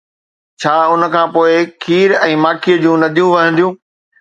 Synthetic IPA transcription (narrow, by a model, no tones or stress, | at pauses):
t͡ɕʰaːʊn̆kʰãːpoːɪkʰiːɾɛ̃ːmaːkʰiəd͡ʑũnɐd̪ʱijũʋɐɦə̃nd̪ijũː